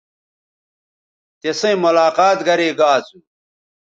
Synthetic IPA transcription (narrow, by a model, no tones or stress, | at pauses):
t̪esɐ̃ĩmolaːqaːt̪ɡɐɾeːɡaːt͡su